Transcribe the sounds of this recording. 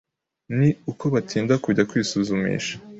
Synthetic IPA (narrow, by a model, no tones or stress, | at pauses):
niukoβatʰiːndakuɟakwiːsuzumḭːʃḁ